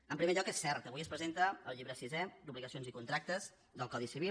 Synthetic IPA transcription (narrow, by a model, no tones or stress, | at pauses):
əmpɾimeʎɔkesːɛɾt̪əβujəspɾəzent̪əəlˠʎiβɾəsizɛd̪uβliɣəsionzikunt̪ɾak̚t̪əz | ðəlˠkɔðisiβ̞i